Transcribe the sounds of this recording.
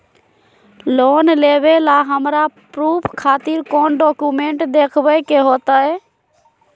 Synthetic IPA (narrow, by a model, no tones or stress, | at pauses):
loːnleːʋeːlaːɦəmɾapɾuːpʰkʰaːt̪iːɾkoːnɖoːkuːmẽːɳʈd̪eːkʰʋəkeːɦoːt̪aːɦɛː